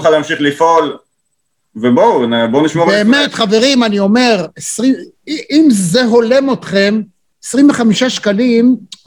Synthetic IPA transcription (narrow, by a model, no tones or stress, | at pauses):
χaleamʃiχlifol | vebonboniʃmoʁbeːmetχave̞ʁimanio̞me̞ʁesʁi | iimze̞ɦo̞le̞mo̞tχe̞m | esʁimveχamiʃaʃkalim